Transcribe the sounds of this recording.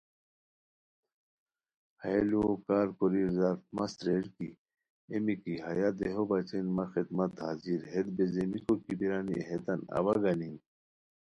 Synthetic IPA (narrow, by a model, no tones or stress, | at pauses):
hɐelukaːɾkoɾiɾzaɾfmɐst̪ɾeɾki | emikiɦajad̪eɦobat͡ɕenmaxid̪mɐt̪aziɾɦed̪̚bezemikokibiɾaːnḭɦet̪ɐnɐ̰ʋaɡanin